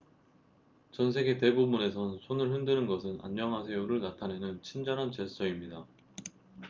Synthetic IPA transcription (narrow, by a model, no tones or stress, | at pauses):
t͡ɕʌnsʰe̞ɡe̞te̞bubune̞sʰʌnsʰonɯɭhɯndɯnɯnɡʌsʰɯna̰ɲmʌŋɦasʰe̞uɾɯɭnatʰanenɯnt͡ɕʰind͡ʑʌnɦant͡ɕeɭs͈ʌimɲida